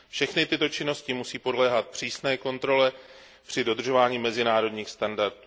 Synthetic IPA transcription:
fʃɛxnɪt̪ɪt̪o̞t͡ʃɪno̞scɪmusiːpo̞dlɛːɦat̪̚pr̝̥iːsnɛːko̞nt̪ɾo̞lɛ | pr̥ɪdo̞d̪r̩ʒo̞vaːɲiːmɛzɪnaːɾo̞dɲiːxst̪andaɾt̪u

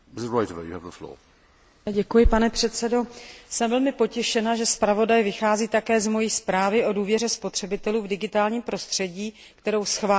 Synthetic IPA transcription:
mɪsɪzɹɔɪtəvə̰jṵəvðəflɔ̰ː | ɟɛkujɪpanɛpr̝̥ɛt̪sɛdo̞sɛmvɛlmɪpo̞cɛʃɛnaʒɛspɾavo̞dajvɪxaːziːt̪akɛːzmo̞jiːspɾaːvɪʔo̞duːvjɛrɛspo̞t̪r̝̥ɛbɪt̪ɛluːvdɪɡɪt̪aːlɲiːmpɾo̞st̪r̥ɛɟiː | kt̪ɛɾo̞wsxvaː

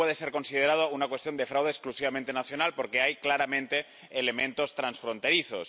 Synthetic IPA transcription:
weðe̞se̞ɾko̞nsið̞eɾað̞ounakwest̪jo̞nd̪e̞fɾawðeːsklusiβamẽnt̪e̞naθjo̞nalpo̞ɾke̞ajklaɾamẽ̞nt̪e̞ː | le̞mẽ̞nt̪o̞st̪ɾansfɾo̞nt̪e̞ɾiθos

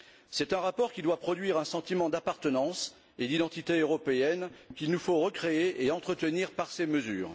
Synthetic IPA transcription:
sɛt̪ɛ̃ʁapɔʁkʲid̪wapχɔd̪ɥiʁɛ̃sɑ̃t̪imɑ̃d̪apaʁt̪ənɑ̃s | ed̪id̪ɑ̃t̪it̪eøʁɔpeɛnkʲilnufoʁəkχeeʔeɑ̃t̪χət̪əniʁpaʁseməzy̰ːʁ

